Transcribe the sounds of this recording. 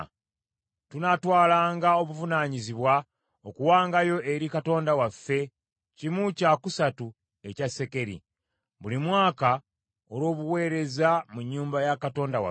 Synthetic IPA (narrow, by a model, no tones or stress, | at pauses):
tunatwaːlaːŋɡao̞βuvunaːɲiziβwa | okuwaːŋɡajo̞ʔeɾikato̞ːndawafːe̞ | cimucakusatu | e̞case̞ke̞ɾḭ | βulimwaːka | o̞ɾwo̞ːβuwe̞ːɾe̞zamuɲːuːmbajakato̞ːndawa̰